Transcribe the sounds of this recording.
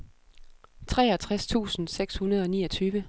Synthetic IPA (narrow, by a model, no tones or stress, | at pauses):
t͡sʰʁɛːɒt͡sʰʁast͡sʰṵːsn̩seɡ̥shunɐðˠɒ̽nḭːɒt͡sʰyːʋə